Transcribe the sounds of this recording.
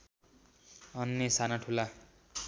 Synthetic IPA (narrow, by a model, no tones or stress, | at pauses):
ʌnːesanaʈʰula